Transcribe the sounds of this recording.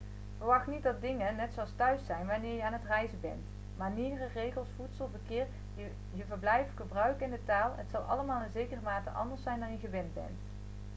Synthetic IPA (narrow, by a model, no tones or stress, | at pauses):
v̥əɹʋɑχtnitdɑt̚dɪŋənɛtsowɑstœɥsɛjnʋanɪːɹjəaːnɦətrɛjzəbɛ̰nt | maːɹniːdərərejɣəlˠsfutsəlˠvəɹkɪːɹ | jəvəɹblɛjfχəbrœɥkɪndətaːlˠə̰tsɑlˠʔɑ̰ləmaːlˠɪnzejkərəmaːtə̰ʔɑ̰ndəɹsɛjndɑnjəɣəʋɛnbɛ̰nt